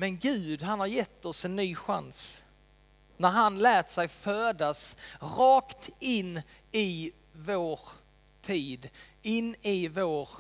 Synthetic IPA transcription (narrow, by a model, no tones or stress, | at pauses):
mɛnɡʉ̟ːd̪ɦanhaɾjɛt̪ʰːɔsɛnːyːɧa̰ns | næɾɦanlɛːt̪sɛjføːd̪asɾɑːkt̪ɪnː | ɪ | voːɾ | t̪ʰiːd̪ɪnːɪvoːɾ